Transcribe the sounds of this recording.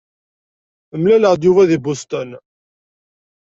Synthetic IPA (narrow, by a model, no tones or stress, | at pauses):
əmlæləʁd̪juvæðibust̪ən